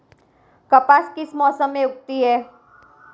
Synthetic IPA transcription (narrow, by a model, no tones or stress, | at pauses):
kɐpaːskɪsmɔːsəmːẽʊk̚t̪iɦɛː